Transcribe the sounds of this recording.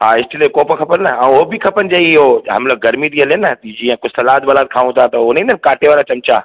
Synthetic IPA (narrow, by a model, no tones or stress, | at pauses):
ɦaːɪst̪ɪlekoːpəkʰɐpənnɐãːʊɦobɪkʰɐpənɪd͡ʑeːɪɦoɦɐ̰mlək̚ɡɐɾmit̪ʰiɦɐlenɐd͡ʑiːə̃kosɐlaːd̪̚bɐlaːt̪̚kʰaːũt̪ʰat̪ɐʊnẽːnd̪ənkaːʈʰeʋaːɾat͡ɕɐmt͡ɕa̰ː